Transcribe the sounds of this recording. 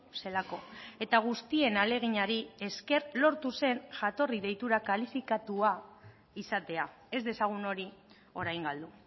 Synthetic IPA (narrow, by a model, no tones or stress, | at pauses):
se̞lako̞e̞t̪aɣ̞ust̪ie̞nale̞ɣ̞iɲaɾie̞ske̞rlo̞ɾt̪use̞nʝat̪o̞riðe̞jt̪uɾakalifikat̪ua | isat̪e̞a | e̞zd̪e̞saɣ̞uno̞ɾi | o̞ɾajŋɡald̪u